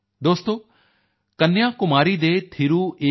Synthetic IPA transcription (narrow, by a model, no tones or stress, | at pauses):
d̪oːst̪oː | kɐnːjaːkʊmaːɾid̪eːt̪ʰiɾueː